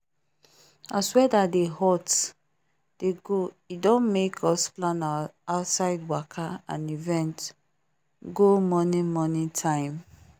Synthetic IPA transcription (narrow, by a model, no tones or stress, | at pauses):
aswɛdadehɔt | d̥eɡo | idɔ̃nmekʰɔsplãnaaʊtsaɪdwakʰaã̰nivɛ̃nt | ɡomɔnĩmɔnĩtʰãɪ̃m